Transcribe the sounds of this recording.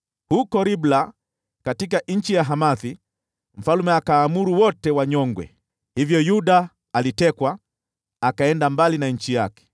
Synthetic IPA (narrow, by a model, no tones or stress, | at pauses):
hukɔɾibla | katik̬aɲ̩t͡ʃijaɦamaθi | m̩falumɛakaːmuɾuwɔtɛwaɲɔŋɡwɛ̰ | hivjɔjuɗa | alitɛkwa | akaɛndambalinaɲ̩t͡ʃijakɛ̥